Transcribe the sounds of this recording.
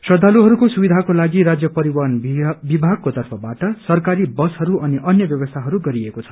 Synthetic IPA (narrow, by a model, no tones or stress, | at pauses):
sʌd̪ʱːaluɦʌɾukosubid̪ʱakolaɡiɾad͡zjʌpʌɾibʌɦʌnbibʱaɡ̚kot̪ʌrpʰʌbaʈʌsʌrkaɾibʌsɦʌɾuʔʌniʔʌnjʌbjʌbʌst̪ʰaɦʌɾuɡʌɾiekot͡sʰʌ̥